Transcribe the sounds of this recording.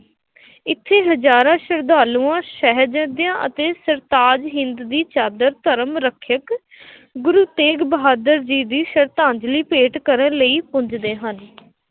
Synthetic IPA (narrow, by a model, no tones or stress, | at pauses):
ɪt̪ʰːeːɦəd͡ʒaːɾãːʃəɾd̪aːluːãːʃɛɦɾd͡ʒə̃ːd̪ɪjãːʔə̰t̪eːsəɾt̪aːd͡ʒɦɪ̃nd̪d̪iːt͡ʃaːd̪əɾt̪əɾəmɾəkʰjək | ɡʊɾuːt̪eːɡbəɦaːd̪əɾd͡ʒiːd̪iːʃəɾt̪ãːɲd͡ʒliːpeːʈkəɾənləiːpʊ̃ɲd͡ʒd̪eːɦən